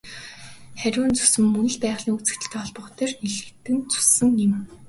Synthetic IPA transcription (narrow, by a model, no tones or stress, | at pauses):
χæɾʲʊːnt͡sʊ̥sɘ̆mːɵnɘ̆ɮpæːʁɮiːŋut͡sɘ̆t̪ɘ̆ɬt̪ʰæːɔɮpɞ̆χt̪eːrniɮɘ̆t̪ːɘ̆nt͡su̥sɘ̆ŋɪ̆m